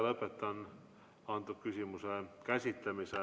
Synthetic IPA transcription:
lɤpet̪ːɑn | ɑnt̪ukysimysekæsit̪ːemise

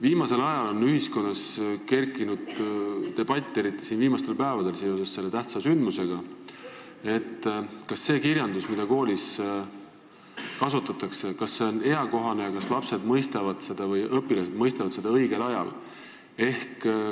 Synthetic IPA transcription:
viːmɑse̞lɑjɑlo̞nːyɦisko̞nːɑske̞rkːˑinud̪̥t̪e̞b̥ɑt̪ʲːˑe̞ɾit̪ːˑisiːnviːmɑst̪e̞lpæevɑd̪̥e̞lseo̞se̞sːe̞lːe̞t̪æht̪sɑsynd̪̥muse̞ɡ̥ɑ | e̞t̪ːkɑsːe̞ːkiɾjɑnd̪̥usmid̪̥ɑko̞ːlis | kɑsut̪ːˑɑt̪ːˑɑkse̞kɑsːe̞o̞ne̞ɑko̞ɦɑne̞jɑkɑslɑpse̞d̪mɤjst̪evɑd̪̥se̞d̪ɑvɤjʔɤpːˑilɑsed̪mɤjst̪evɑd̪se̞d̪̥ɑɤjɡ̥e̞lɑjɑ̰l | e̞hk

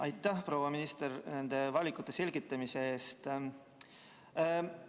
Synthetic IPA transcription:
ɑjt̪ːˑæhpro̞ːwɑminist̪erne̞nd̪̥e̞vɑlʲikˑut̪ˑːe̞se̞lʲɡ̥it̪ːˑɑmise̞eːst̪

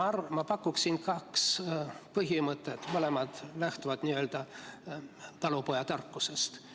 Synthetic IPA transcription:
ɑrmɑpɑkːuksinkɑkspɤɦimɤt̪ːˑet̪mɤlemɑd̪̥læht̪uvɑd̪̥niø̞ːld̪ɑ | t̪ɑlupo̞jɑt̪ɑrkːuse̞st̪

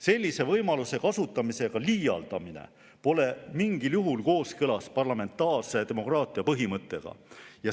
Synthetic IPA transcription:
se̞lʲːise̞vɤjmɑluse̞kɑsut̪ːˑɑmise̞ɡ̥ɑliːjɑ̰ld̪̥ɑminḛ | po̞le̞miŋɡ̥iljuɦulko̞ːskɤlɑspɑrlɑme̞nt̪ːˑɑːrse̞t̪e̞mo̞kˑrɑːt̪ˑiɑpɤɦimɤt̪ˑːe̞ɡ̥ɑ̰jɑ

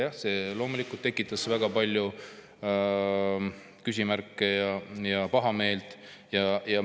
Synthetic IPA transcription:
jɑhse̞ːlo̞ːmulikːˑult̪ːe̞kːˑit̪ːˑɑsvæɡ̥ɑpɑlʲju | kysʲimæɾkːˑejɑjɑpɑɦɑme̞ːlt̪ˑjɑjɑ

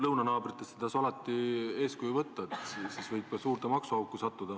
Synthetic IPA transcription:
lɤwnɑnɑːbrit̪ːˑest̪et̪ɑːsɑlɑt̪ːie̞ːskujuvɤt̪ːɑet̪sisvɤjb̚kɑsuːrt̪emɑksuɑwkːusɑt̪ːud̪̥ɑ

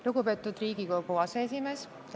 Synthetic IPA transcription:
luɡupe̞ːt̪ːˑud̪̥riːɡiko̞ɡuɑseesʲime̞ːs

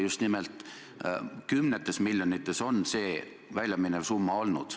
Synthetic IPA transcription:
just̪nimelt̪ˑ | kymnet̪ːˑe̞smilʲjonit̪ːˑe̞so̞nse̞ː | vælʲjɑminesumːɑo̞lnṵd̪̥

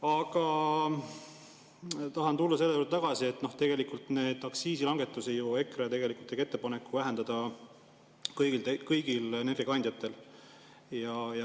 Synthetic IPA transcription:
ɑɡ̥ɑ | t̪ɑɦɑnt̪ulːɑse̞lːejod̪t̪ɑɡ̥ɑsie̞t̪ːˑno̞ht̪e̞ɡ̥e̞likult̪ne̞ːd̪̥ɑksiːsilɑŋɡ̥e̞t̪ːˑusejue̞kret̪e̞ɡ̥e̞likult̪ːˑeke̞t̪ːepɑne̞kˑːuvæɦe̞nd̪ɑd̪̥ɑ | kɤjɡilt̪ekɤjɡ̥ileneriɡɑnʲd̪̥ʲjɑt̪ːˑe̞l | jɑjɑ

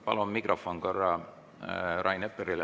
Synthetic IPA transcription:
pɑ̰lomːikrofonkorːɑ | ɾʔɑjnepːeɾil

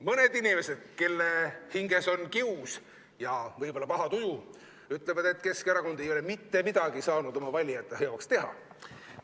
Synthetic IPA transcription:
mɤne̞d̪̥inime̞se̞d̪̥ke̞lːehiŋɡe̞so̞nkius | jɑvɤjb̥o̞lːɑpɑɦɑt̪uju | yt̪ːˑle̞vɑd̪e̞t̪ːˑke̞skeɾɑko̞nd̪ejo̞le̞mit̪ːe̞mid̪̥ɑɡ̥isɑːnud̪̥o̞mɑvɑlʲijɑt̪ˑːeɦeo̞kst̪e̞ɦɑ̰

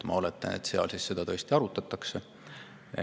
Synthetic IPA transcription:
mɑ̰o̞let̪ːˑɑ̰net̪seɑ̰lsisse̞d̪̥ɑt̪ɤ̞ːst̪iɑɾut̪ːˑɑt̪ːˑɑksḛ

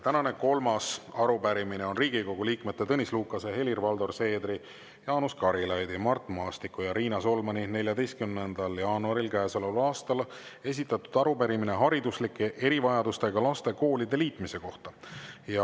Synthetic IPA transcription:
t̪ænɑne̞ko̞lmɑsɑɾupæɾimine̞o̞nriːɡiko̞ɡ̥uliːkmet̪ːet̪ɤnʲisluːkˑːɑse̞he̞lirvɑld̪o̞rse̞ːd̪ri | jɑːnuskɑɾilɑjd̪imɑrt̪ːˑmɑːst̪ikːˑujɑɾiːnɑso̞lmɑnine̞lʲjɑd̪e̞jst̪kymnend̪̥ɑljɑːnuɑɾilkæeselɑlɑːst̪ɑl | e̞s̬ʲit̪ːˑɑt̪ːˑud̪̥ɑɾupæɾimineɦɑɾid̪uslikːˑe̞ʔe̞ɾivɑjɑd̪ust̪e̞ɡɑlɑst̪e̞ko̞ːlʲid̪̥e̞liːt̪ˑmise̞ko̞ht̪ɑjɑ

